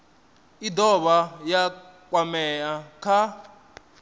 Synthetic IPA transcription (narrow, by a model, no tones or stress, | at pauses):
idɔβaja | kwamɛjakʰa